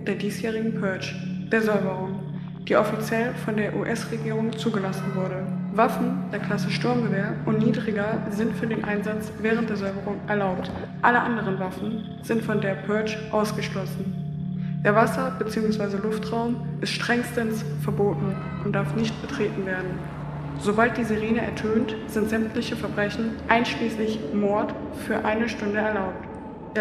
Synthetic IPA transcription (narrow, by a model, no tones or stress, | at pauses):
d̥eːɐdiːsjɛːʁ̞ɪɡŋ̩pʰœɐt͡ʃ | d̥eːɐzɔʏbəʁ̞ʊŋ | d̥iːʔɔfit͡sjɛlfɔndeːɐʔuʔɛsʁeɡiːʁʊŋt͡suːɡəlasn̩vʊɐɾəvafn̩d̥eːɐkʰl̥asəʃtʊɐmɡəveːɐʔʊntniːdʁɪɡɐzɪntfyːɐdeːnʔaɪnzat͡sv̥ɛːʁ̞əntd̥eːɐzɔʏbəʁʊŋʔɛɐlaʊp̚t | ʔaləʔandəʁ̞ənvafn̩ | z̥ɪntfɔndeːɐpʰœɐt͡ʃʔaʊsɡ̥əʃlɔsn̩d̥eːɐvasɐb̥ət͡siːʊŋsv̥aɪzəlʊftʁ̥aʊmʔɪstʃtʁ̥ɛŋstənsfɛɐboːtn̩ | ʔʊnt̚d̥aɐfnɪçt̚b̥ətʁ̥eːtn̩veːɐdn̩ | z̥obalt̚d̥iːzeʁeːnəɛ̰ɐtʰøːntz̥ɪntz̥ɛmtʰlɪçəfɛɐbʁɛçn̩ʔaɪnʃliːslɪçmɔɐtfyːɐʔaɪnəʃtʊndəɛɐlaʊp̚tː